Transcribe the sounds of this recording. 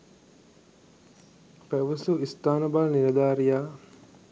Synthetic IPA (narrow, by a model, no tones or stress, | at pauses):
pæʋɐsuist̪aːnɐbaːlniɾɐd̪aːɾijaː